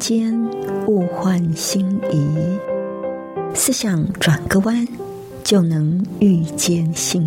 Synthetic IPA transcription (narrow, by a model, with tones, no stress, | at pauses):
t͡ɕjɛ˥nu˥˧xwa˥˧nɕi˥ŋi˧˥ | sɹ̩˥˧ɕjɑ˨˩ŋʈ͡ʂwa˨˩nkə˥˧wa˥n | t͡ɕjo˥˩ʊnɤ˧˦˥ŋy˥˧t͡ɕjɛ˥˨nɕi˥˩ŋ